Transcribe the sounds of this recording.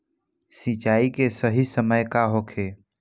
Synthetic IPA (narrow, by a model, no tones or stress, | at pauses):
sĩt͡ʃaːikesəɦisəməjkaɦokʰe